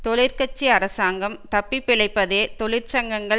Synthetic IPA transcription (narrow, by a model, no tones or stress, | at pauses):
t̪ɔɭɪɾkɐt͡ʃːiɐɾɐsaːŋɡɐmt̪ɐpːipːɪɭɐɪpːɐðeːt̪ɔɭɪɾt͡ʃɐŋɡɐŋɡɐ